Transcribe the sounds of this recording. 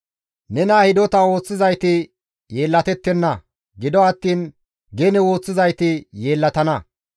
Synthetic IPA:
nɛnaːhɪd̪ɔt̪ɐwo̞ːt͡sːɪzɐjt̪ɪ | je̞ːlːɐt̪ɛt̪ːɛnːɐ | ɡɪd̪ɔɐt̪ːiːn | ɡenɛwo̞ːt͡sːɪzɐjt̪ɪjeːlːɐt̪ɐnɐ

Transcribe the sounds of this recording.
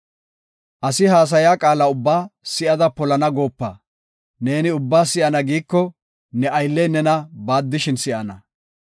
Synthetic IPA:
ʔɐsɪɦaːs̬ɐjaːkʼaːlɐʊbːaːsɪʔɐd̪ɐpɔlɐnɐɡo̞ːpːɐ̰ | ne̞ːnɪʊbːaːsɪʔɐnɐɡiːkːɔ | nɛɐjlːɛjnɛnɐbaːd̪ːɪʃɪnsɪʔɐnɐ

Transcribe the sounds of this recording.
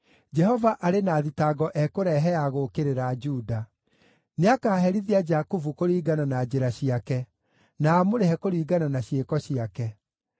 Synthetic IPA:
d͡ʒɛɦɔvaʔaɾenaːðitaɡɔʔɛkoɾɛɦɛaɣokeɾeɾad͡ʒuːda | neakaːɦɛɾiðiad͡ʒakuvukoɾiːɡananad͡ʒeɾaɕiakɛ | naːmoɾeɦɛkoɾiːɡananaɕjekɔɕiakɛ

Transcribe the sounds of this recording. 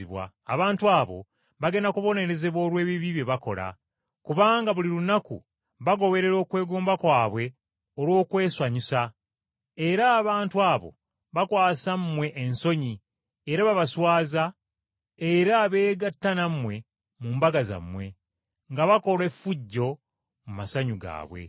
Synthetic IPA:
iβwa̰ːβaːntuaːβo̞̰ | βaɡe̞nakuβo̞ne̞ɾe̞ze̞βwo̞ːɾwe̞ːβiβiβje̞βako̞̰la̰ | kuβaːŋɡaβulilunakṵ | βaɡo̞βe̞ɾe̞ɾo̞ːkwe̞ːɡuːmbakwaːβwe̞ | olwo̞ːkwe̞ːswaɲisa | e̞ɾaːβaːntuaːβo̞̰ | βakwaːsamːwe̞ʔenso̞ɲi | eɾaβaβaswaːza | e̞ɾaβe̞ːɡatːanamwe̞ | muːmbaɡaza̰mwe̞ | ŋɡaβako̞le̞fːuɟːo̞ | mumasaɲuɡa̰ːβwe̞̰

